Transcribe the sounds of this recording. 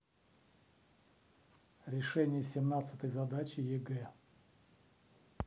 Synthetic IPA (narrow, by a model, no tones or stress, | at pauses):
ɾʲɪʂɛnʲɪjəsʲɪmnat̪sɨ̥t̪əjzɐd̪at͡ɕɪjɪɡɛ